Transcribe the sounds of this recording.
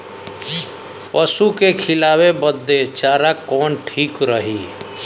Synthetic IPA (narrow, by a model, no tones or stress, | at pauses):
pəsukekʰɪlawebəd̪ːet͡ʃaːɾakɔːnʈʰiːkɾəɦi